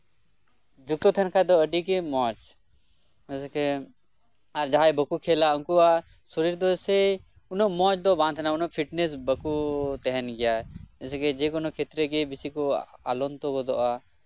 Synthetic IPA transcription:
d͡ʒuk̚t̪ɔt̪ʰɛnkʰad̪ɔəɖik̬emɔt͡ʃ | ɛske | aɾd͡ʒaɦajbəkukʰelaunkua | sɔɾiɾd̪ɔsɛ | unɔʔmɔ̃t͡ʃd̪ɔbãːnt̪ʰnaunɔʔpʰiʈnesbəkut̪ɛɦɛnɡɛjaɛsɛked͡ʒekɔnokʰet̪ɾekebisikɔa̰lɔnt̪ɔkɔd̪ɔʔa

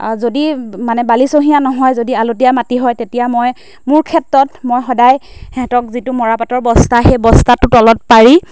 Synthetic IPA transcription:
zodimanɛbalisoɦijanɔɦɔjzodialotijamatiɦɔjtetijamoj | mʊɹkʰɛtɹɔtmojxɔdajhɛ̃tɔk̚zitʊmɔɹapatɔɹbɔstaxejbɔstatʊtɔlɔt̚paɹi

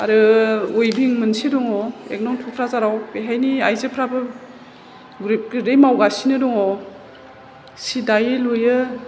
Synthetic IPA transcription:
aɾɯojbiŋmɯnsidɔŋɔḛk̚nɔŋtʰupʰɾazaɾawbeɦajniajzepʰɾabɯ | ɡuɾep̚ɡɾemawɡasinɯdɔŋɔ | sidajɯlojɯ

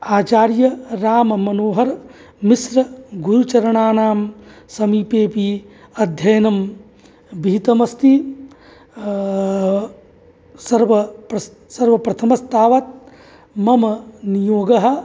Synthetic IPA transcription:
aːt͡ʃaːɾjɐɾaːmɐmɐnoːɦɐɾ | misɾɐɡuɾut͡ʃɐɾɐɳaːnaːmsɐmiːpeːpiɐd̪ʱjɐjɐnɐm | bʱiːt̪ɐmɐst̪i | sɐɾʋɐpɾɐ | sɐɾʋɐpɾɐt̪ʰɐmɐst̪aːʋɐt̪̚ | mɐmɐnijoːɡɐɦɐ̆

